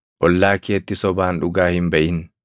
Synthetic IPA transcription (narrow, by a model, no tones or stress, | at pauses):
ʔɔlːaːkeːt̪ːɪsɔbaːnᶑʊɡaːhɪmbɐʔɪn